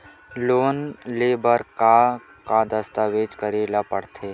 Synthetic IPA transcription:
loːnleːbəɾka | kad̪əst̪aːʋeːd͡ʒkəɾeːlapə̰ɽt̪ʰe

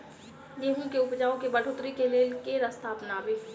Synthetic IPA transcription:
jeːɦũkeʊpd͡ʒaːõkebɐɖʱoːt̪ɾikeleːlkeɾəst̪ʰaːpnaːbɪ

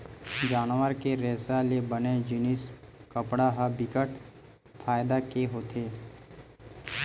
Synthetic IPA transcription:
d͡ʒaːnʋəɾkeɾɛːsalebəned͡ʒɪnɪskəpɽaɦabɪkəʈ | fʰaːjd̪akeɦoːt̪ʰeː

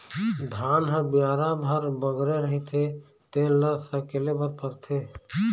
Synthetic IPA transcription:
d̪ʱaːnɦəɾbjaːɾabʱəɾbəɡɾeɾəɦit̪ʰe | t̪elːəsəkelebʱəɾpəɾt̪ʰe

